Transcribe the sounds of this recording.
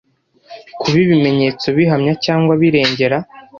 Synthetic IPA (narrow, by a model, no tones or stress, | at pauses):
kʰuβiβime̞ɲe̞ːt͡so̞βiɦamɲacaːŋɡwaβiɾe̞ːɲɟe̞ɾa